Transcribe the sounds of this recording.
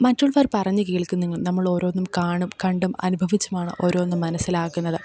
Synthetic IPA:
mɐtːuɭʋɐrpɐrɐɲːɨkiːɭkːunːiŋːɐɭnɐmːɐɭo̞ːɾo̞ːnːumkaːɳumkɐɳɖumɐ̰nubʱɐʋit͡ɕːumaːɳɨ̰ʔo̞ːɾo̞ːnːumːɐnɐsːilaːkːunːɐðɨ

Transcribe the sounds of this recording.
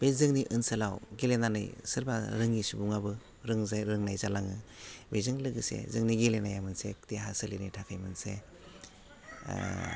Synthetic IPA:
b̥ezɯŋniʔɯnsɯlawɡelenanɯ̰jsɯɾbaɾɯŋisubuŋabɯ | ɾɯŋzɾɯŋnajzalaŋɯbejzɯŋlɯɡɯsḛzɯŋniɡelenajamɯnsekteɦasɯlinitʰakʰajmɯnse

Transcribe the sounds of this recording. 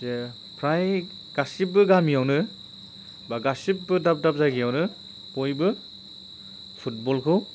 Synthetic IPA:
ze | pʰɾaj | ɡ̥asip̚bɯɡamijawnɯ | baɡasip̚bɯdap̚dap̚zaɡijawnɯ | pojbɯ | pʰut̚bɔlkʰɯw

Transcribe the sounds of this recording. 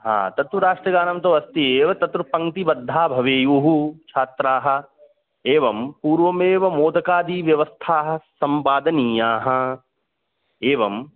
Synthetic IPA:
ɦa̰ːt̪ɐt̪ʋɐɾaːʂʈɾɐɡaːnɐmt̪̬oʋɐst̪ieːʋɐt̪ɐt̪ɾupɐ̃ŋt̪ibɐd̪ʱːaːbʱɐʋeːjuɦut͡ʃʰaːt̪ɾaːɦɐ̆ | eːʋɐmpuːɾʋɐmeːʋɐmoːd̪ɐkaːd̪iːʋjɐʋɐst̪ʰaːɦɐ̆sɐmpaːd̪ɐniːjaːɦɐ̆ | eːʋɐm

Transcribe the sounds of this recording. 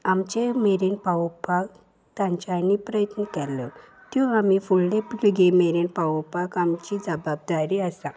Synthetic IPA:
amt͡ɕemeɾinpawpak | t̪ãɲt͡ɕanipɾəjət̪nəkɛlə | t̪juamifulɽepliɡemeɾinpaʋəpakamt͡ɕid͡zəbab̚d̪aɾiəsã

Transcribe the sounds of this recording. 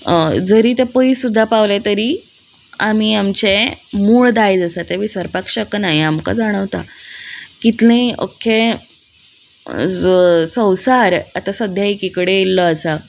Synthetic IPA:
d͡zəɾiːt̪epəisud̪ʱːapaʋlẽt̪əɾiː | am̤iamt͡ɕemuːɭd̪ajd͡zəsat̪eʋisəɾpakɕəknaɦiamka̰d͡zaɽ̃əʋt̪a | kit̪lẽʔo̰kʰe | sə̃wsaɾat̪asəd̪ʱjaikikɽeelːəəsa

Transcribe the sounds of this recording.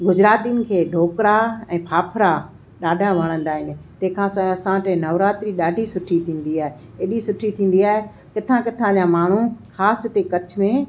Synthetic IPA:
ɡʊd͡ʑɾaːt̪iʊnɪ̆kʰeːɖʱoːkɾaɛ̃ːpʰaːpʰɾa | ɗaːɖʱaʋɐɽ̃ə̃nd̪aːɦɪnɪ̆t̪ɐ̃ɦɪ̃kʰãsãɐsãʈẽnɐʋɾaːt̪ɾiɗaːɖʱisʊʈʰit̪ʰĩːn̆d̪iaːɦe | eɗisʊʈʰit̪ʰĩːn̆d̪iaːɦe | kɪt̪ʰãkɪt̪ʰãd͡ʑãmaːɳ̤uxaːst̪ekɐt͡ɕʰʊ̆mẽ

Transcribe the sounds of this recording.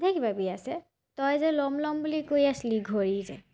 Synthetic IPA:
dʱekibabiasɛ | tɔjzɛlɔmlɔmbulikojasliɡʱoɹizɛ̰

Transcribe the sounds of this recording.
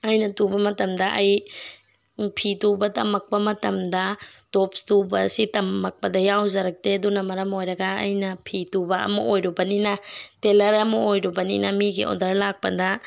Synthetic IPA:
ɐjnɐtubɐmɐtɐmdɐʔɐj | pʰitubɐtɐmɐk̚pɐmɐtɐmdɐtopstubɐsitɐmːɐk̚pɐdɐjawzɐɾɐk̚tedunɐmɐɾɐmojɾɐɡɐɐ̰jnɐpʰitubɐɐ̰mɐʔojɾubɐninɐtelɐɾɐmɐojɾubɐnḭnɐmiɡḭʔo̰dɐɾlak̚pɐdɐ

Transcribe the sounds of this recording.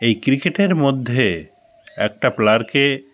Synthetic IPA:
ejkɾikeʈeɾmod̪ʱːe | ɛk̚ʈaplaɾke

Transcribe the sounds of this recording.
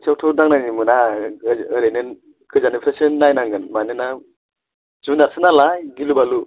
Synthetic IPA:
sʰawtʰɯwdaŋnajnimɯna | ɯɾenɯn | kʰɯzanipʰɾesɯnːajnaŋɡɯnmanɯna | d͡ʒunasʰɯnalajɡilubalu

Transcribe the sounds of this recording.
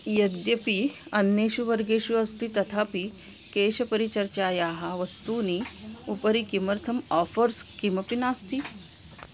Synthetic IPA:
jɐd̪jəpiɐnjeɕuʋəɾɡeɕuɐst̪it̪ɐt̪ʰapi | keːɕɐpəɾit͡ɕɐɾt͡ɕaːjaːɦaʋɐst̪uːniupəɾikiməɾt̪ʰəmɔfəɾskimɐpinaːst̪iː

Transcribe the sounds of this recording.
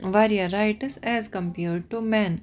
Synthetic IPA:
ʋaɾiaɾaɪʈəɾsɛzkə̃mpɛːɾɖ̚ʈumɛ̃n

